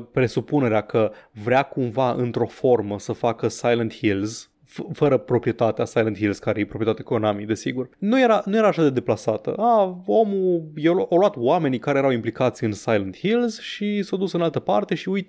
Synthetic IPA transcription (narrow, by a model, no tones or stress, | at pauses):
pɾe̞supune̞ɾeakʰəvɾeakumvaʔɨ̰nt̪ɾo̞fo̞rməsəfakəsajlənt̪hilz | fəɾəpɾo̞pɾije̞t̪at̪easajlənt̪hilz̥kaɾejepɾopɾiet̪at̪ekonamid̪e̞siɡurnuje̞ɾanuje̞ɾaːʃad̪e̞d̪e̞plasat̪ə̰ao̞mujewawluat̪wame̞nikaɾejeɾawimplikat̪siɨnsajlənt̪hilzʃisawd̪usɨnalt̪əpart̪e̞ʃiujt̪